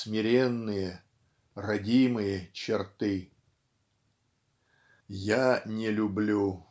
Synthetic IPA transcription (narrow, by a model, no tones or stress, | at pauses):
smʲɪɾʲenːɨjə | rɐdʲimɨjət͡ɕɪrt̪ɨ | janʲɪlʲʊblʲu